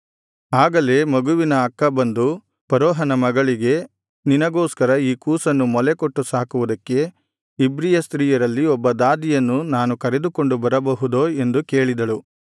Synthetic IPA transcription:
aːɡɐle̞ːmɐɡuʋinɐɐkːɐbɐnd̪u | pɐɾɔːɦɐnɐmɐɡɐɭiɡe̞ | ninɐɡoːskɐɾɐiːkuːsɐnːumɔlekoʈːusaːkuʋud̪ɐkːe̞ | ibɾijɐst̪ɾiːjɐɾɐlːiɔbːɐd̪aːd̪ijɐnːunaːnukɐɾe̞d̪uko̞ɳɖubɐɾɐbɐɦud̪oe̞nd̪uke̞ːɭid̪ɐɭu

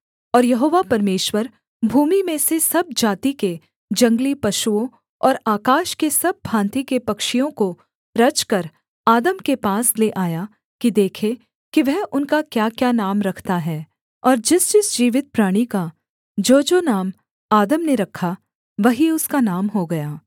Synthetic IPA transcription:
ɔːɾjɐɦoːʋapɐɾmeːʃwəɾ | bʱuːmimẽsesɐb̚d͡ʒaːt̪ike | d͡ʒɐ̃ŋɡlipɐʃuõ | ɔːɾaːkaːʃkesɐb̚ːʱãːnt̪ikepɐkʃijõko | ɾɐt͡ʃkɐɾ | aːd̪əmkepaːsleʔaːja | kid̪eːkʰe | kiʋɛɦʊnkakjaːkjaːnaːmɾɐkʰt̪aɦɛː | ɔːɾd͡ʒɪst͡ʃɪsd͡ʒiːʋɪt̪̚pɾaːɽ̃ika | d͡ʒoːd͡ʒoːnaːm | aːd̪əmneɾɐkʰːa | ʋɐɦiʊskanaːmɦoɡɐjaː

